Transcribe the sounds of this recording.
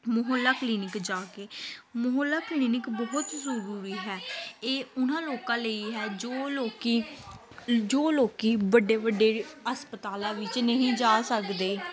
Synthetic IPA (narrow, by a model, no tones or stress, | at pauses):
mʊɦəlːaːkliːnɪkd͡ʒaːkeːmʊɦəlːaːkliːnɪkbɔɦʊt̪zəɾuːɾiːɦɛːeːʊnãːloːkãːləiːɦɛːd͡ʒoːloːkiː | d͡ʒoːloːkiːbəɖeːbəɖeːəspət̪aːlãːʋɪt͡ʃnəɦĩːd͡ʒaːsəkd̪eː